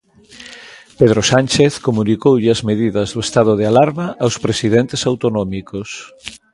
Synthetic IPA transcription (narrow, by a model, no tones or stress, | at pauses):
peð̞ɾosanʲt͡ʃeθkomunikowʎɪɐzmeðiðɐzðoest̪að̞oð̞ealaɾmaʔawspɾesiðent̪esawt̪onɔmikos